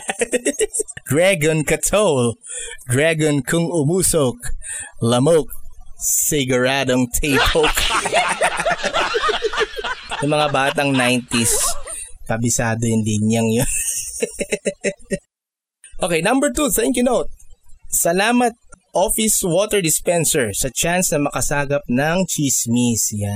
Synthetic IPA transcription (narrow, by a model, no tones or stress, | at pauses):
d̪̥ɹaɡonkɐt̪ʰowld̪ɹaɡonkʰʊŋʊmusok̚lɐmok̚sɪɡɐɹad̪oŋt̪ʰejpʰok | jʊmɐŋabaːt̪ɐŋnajnt̪is | pɐbɪsaːd̪oɪnd̪ɪnjɐŋjon | ʔokɛjnɐ̃mbɛɹt̪uθɛŋkjʊnowt̪̚sɐlaːmɐt̪̚ʔofɪswot̪ɛɹd̪ɪspɛnsɛɹsɐt͡ʃansnɐmɐkɐsaːɡɐp̚nɐŋt͡ʃismisja